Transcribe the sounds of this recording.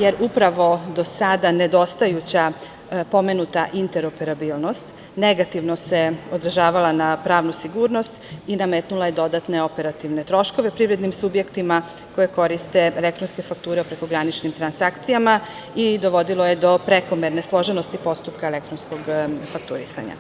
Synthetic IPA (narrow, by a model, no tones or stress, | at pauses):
je̞ɾupɾaʋo̞d̪o̞sad̪ane̞d̪o̞st̪ajut͡ɕa | po̞me̞nut̪aʔint̪e̞ɾo̞pe̞ɾabiːlˠno̞st̪ | ne̞ɡat̪iʋno̞se̞o̞d̪ɾ̩ʒaːʋalˠanapɾaːʋnusiɡuːɾno̞st̪inamet̪nulˠaje̞d̪o̞d̪at̪ne̞o̞pe̞ɾat̪iʋne̞t̪ɾo̞ʃko̞ʋe̞pɾiʋɾe̞d̪nimsubje̞kt̪ima | ko̞je̞ko̞ɾist̪e̞elekt̪ɾo̞nske̞fak̚t̪uːɾe̞upɾe̞ko̞ɡɾanit͡ʃnimt̪ɾansakt̪sijama | id̪o̞ʋo̞d̪ilˠo̞je̞d̪o̞pɾe̞ko̞me̞ɾne̞slˠo̞ʒe̞no̞st̪ipo̞st̪upkaele̞kt̪ɾo̞nsko̞ɡfakt̪ṵɾḭsa̰ɲa̰